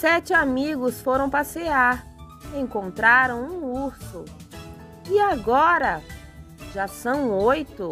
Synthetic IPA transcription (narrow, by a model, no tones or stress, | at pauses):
sɛt͡ʃɪamiɡʊsfoɾɐ̃w̃paseaɾ | ẽŋkõnt̪ɾaɾɐ̃w̃ũuɾsʊ | ɪaɡɔɾɐ | ʒ̥asɐ̃w̃ojt̪ʊ